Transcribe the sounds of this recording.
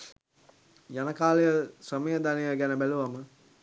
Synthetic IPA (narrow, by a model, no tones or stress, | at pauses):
janəkaːlejəsrəməjəd̪anejəɡænəbæluʋamə